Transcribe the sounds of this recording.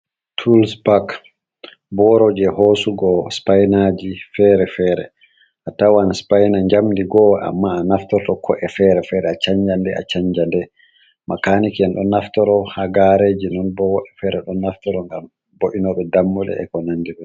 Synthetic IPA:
tʰulspak | bɔɾɔd͡ʒɛhoːsuɡɔspajnad͡ʒifɛɾɛfɛːɾɛ̰ | ʔatawanspajnaɲd͡ʒamdiɡɔa̰mːaːnaftɔɾtɔkʰɔʔɛfɛɾɛfɛɾɛat͡ʃaɲd͡ʒandɛa̰t͡ʃaɲd͡ʒandɛ | makanikɛnɗɔnaftɔɾɔhaɡaɾeːd͡ʒinɔnbɔwɔʔɛfɛɾɛɗɔnːaftɔɾɔŋɡam | boʔinɔɓɛdamːɔɗɛ̰ɛ̰kɔnandiɾɔ

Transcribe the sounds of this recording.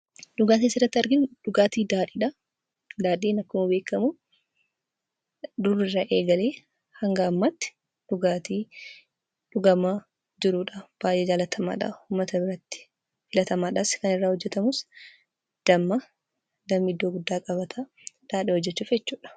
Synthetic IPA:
ᶑʊɡaːt̪iːsɪrːɐt̪ːɪɐɾɡɪnᶑʊɡaːt̪iːd̪aːᶑiᶑɐ | d̪aːᶑiːnɐkːʊmɐbeːkːɐmu | d̪ʊrːɪrːɐʔeːɡɐleː | hɐŋɡɐːmːat̪ːɪ̥ | d̪̥ʊɡaːt̪iː | ᶑʊɡɐmaː | d͡ʒɪɾuːᶑab̥aːjʔeːd͡ʒaːlɐt̪ʰɐma̰ːᶑɐ̰huːmːɐt̪ɐbɪɾɐt̪ːɪ̥ | fɪlɐt̪ɐmaːᶑɐskɐnɪrːaːhɔd͡ʒːɛt̪ɐmʊs | d̪̥ɐmːɐ | d̪ɐmːɪd̪ːo̞ːɡʊd̪ːaːkʼɐbɐt̪ʰaː | d̪̥aːᶑiːhɔd͡ʒːɛt͡ʃːʊːfjɛt͡ʃːuːᶑɐ̥

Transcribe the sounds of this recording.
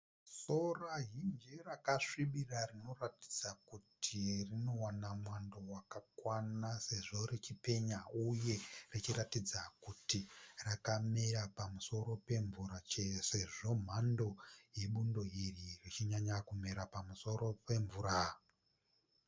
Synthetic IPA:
soraɦind͡ʒerakaʂiɓirarino̞rati̥d͡zakutʰirino̞wanamwandowakakwanase̞ʐo̞ret͡ʃipe̞ɲauje̞rit͡ʃiɾatid͡zakutirakameɾapamuso̞ɾo̞pe̞ɱvuɾat͡ʃese̞ʐo̞m̤ando̞je̞ɓundo̞iririt͡ʃiɲaɲakumeɾapamuso̞ɾo̞pe̞ɱvuːɾa

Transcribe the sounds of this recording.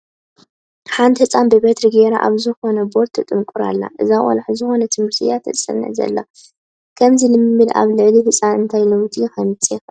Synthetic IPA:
ħand̪hɨsʼanbɨbet̪ɾɨɡeɾaʔa̰βzɨxo̞nɐbo̞ɾt̪ʰɨt̪ʼɨmkʼuɾa̰lːa̰ʔɨzaʔʼɔ̰lħzɨxo̞nɐt̪ʰɨmɨɾt̪ʰɨjat̪ʰɐ̰sʼɐ̰nɐ̰zɐ̰lːo | kʰɐmzilɨmːɨd̪a̰βlɨʕlihɨt͡sʼanɨnt̪ʰajlɐwt̪ʰixɐmɨt͡s̪ʼɛx

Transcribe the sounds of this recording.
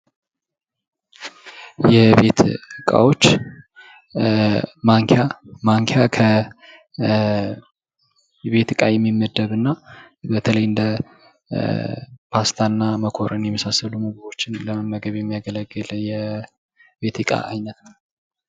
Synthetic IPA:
jɛβe̞t̪ɨkʼa̰wo̞t͡ʃː | maŋkʰamaŋkʰjakʰə | βe̞t̪ɨkʼajɛmːimːəd̪ːəβɨnːa | bət̪ʰələjɨnd̪ə | pʰast̪ʰanːaməkʰo̞ɾɨnjɛmːəsasːəlumuɡəβo̞t͡ʃːɪnləməmːəɡəβjɛmːijaɡələɡːɨljɛ | be̞t̪ɨkʼa̰ʔajnət̪nəw

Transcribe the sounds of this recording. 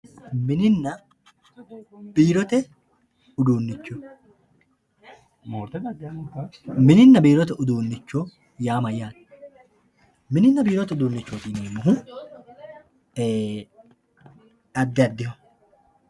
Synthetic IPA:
mɪnɪnːɐ | biːɾɔt̪ɛ | ʊd̪uːnːɪt͡ʃːɔ | mɪnɪnːɐbiːɾɔt̪̬ɛʔʊd̪uːnːɪt͡ʃːɔ | jaːmɐjːaːn | mɪnɪnːɐbiːɾɔt̪ɛʊd̪uːnːɪt͡ʃːoːt̪iːneːmːʊɦʊ | ɐd̪ːɐd̪ːɪhɔ

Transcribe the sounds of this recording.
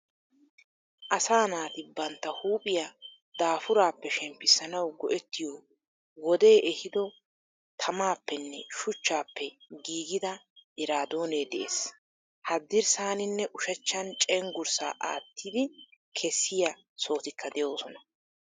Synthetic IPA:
ʔɐsaːnaːt̪ɪbɐnt̪ːɐhuːpʼɪja | d̪̥aːfʊɾaːpːɛʃɛmpːɪsːɐnɐwɡɔʔɛt̪ːɪjo | wɔd̪e̞ːʔɛhɪd̪ɔ | t̪ʰɐmaːpːɛnːɛʃʊt͡ʃːaːpːɛɡiːɡɪd̪ɐ | ʔɪɾaːd̪o̞ːneːd̪ɛʔḛːs | hɐd̪ːɪɾsaːnɪnːɛʔʊʃɐt͡ʃːɐnt͡ʃʼɛŋɡʊɾsa̰ːʔa̰ːt̪ːɪd̪ɪ | kʰɛsːɪjɐ | so̞ːt̪ɪkʰːɐd̪ɛjo̞ːsɔnɐ

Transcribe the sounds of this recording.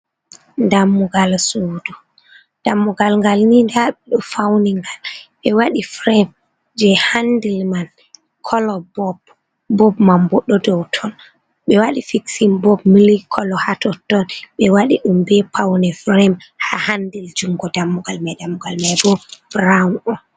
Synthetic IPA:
ndamːuɡalsudu | d̥amːuɡalŋɡalnindaɓɛɗɔfawniŋɡalɓɛwaɗifɾɛm | d͡ʒɛhandilman | kʰɔlɔbɔb | bɔbmambɔɗːɔdɔwtʰɔn | ɓɛwaɗifiksimbɔbmilikʰɔlɔhatɔtːɔnɓɛwaɗiɗumbɛpʰawnɛfɾɛmhahandild͡ʒuŋɡɔdamːuɡalmajdamːuɡalmajbɔb̥ɾawnɔn

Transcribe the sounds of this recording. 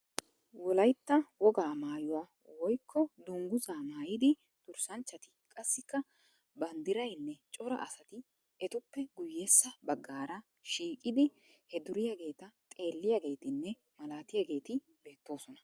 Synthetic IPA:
wɔlɐjt̪ːɐwɔɡaːmaːjʊwaː | wɔjkʰːɔd̪ʊŋɡʊzaːmaːjɪd̪ɪ | d̪̥ʊɾsɐnt͡ʃːɐt̪ɪkʼɐsːɪkːɐ | bɐnd̪ɪɾɐjnːɛt͡ʃʼɔɾɐ̰ʔɐsɐt̪ɪ | ɛt̪ʊpːɛɡʊjːeːsːɐbɐɡːaːɾɐ | ʃiːkʼɪd̪ɪ | hɛd̪ʊɾɪjɐɡe̞ːt̪ɐt̪ʼe̞ːlːɪjɐɡe̞ːt̪ɪnːɛ | mɐlaːt̪ɪjɐɡe̞ːt̪ɪ | be̞ːt̪ːo̞ːsɔnɐ

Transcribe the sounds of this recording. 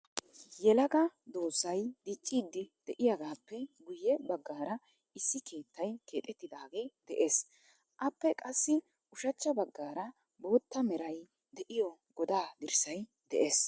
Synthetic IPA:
jɛlɐɡɐd̪oːsːɐjd̪̥it͡ʃʼːiːd̪ːɪd̪̥ɛʔɪjaɡaːpːɛɡʊjːɛbɐɡːaːɾɐ | ɪsːɪkʰe̞ːt̪ːɐjke̞ːt̪ʼɛt̪ːɪd̪aːɡe̞ːd̪̥ɛʔe̞ːs | ʔɐpːɛkʼɐsːɪ | ʔʊʃɐt͡ʃːɐbɐɡːaːɾɐ | bo̞ːt̪ːɐmɛɾɐj | d̪ɛʔɪjɔɡɔd̪aːd̪ɪɾsɐj | d̪̥ɛ̰ʔeːs

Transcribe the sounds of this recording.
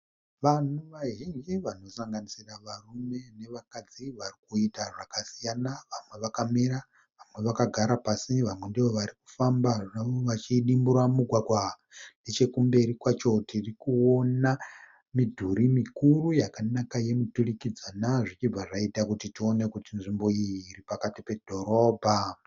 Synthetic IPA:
ʋan̤uʋaɦiŋd͡ʒiʋano̞saŋɡanisiraʋarume̞ne̞ʋakad͡ziʋarikuitaʐakasijanaʋamwe̞ʋakamiɾa | ʋamwe̞ʋakaɡʱaɾapasiʋamwe̞ndiʋo̞ʋaɾiku̥fambaʐaoʋat͡ʃiɗimbuɾamuɡʱwaɡʱwa | net͡ʃe̞kumbe̞ɾikwat͡ʃo̞tirikuo̞na | midʱuɾimikurujakanakaje̞muturikid͡zanaʐit͡ʃib͡vaʐaitakutitio̞ne̞kutinʐimbo̞iːripakatipe̞dʱo̞ɾo̞ːbʱa

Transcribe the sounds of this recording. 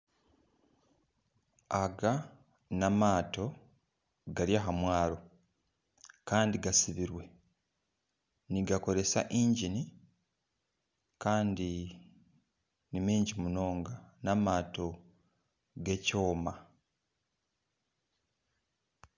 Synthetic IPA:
aɡa | namaːto̞ | ɡaɾjaɦamwaːɾo̞ | kaːndiɡasiβiɾwe̞ | niɡako̞ɾe̞sa̰ʔiːɲɟini | kaːndi | nimiːɲɟimuno̞ːŋɡanamaːto̞ | ɡe̞co̞ːma

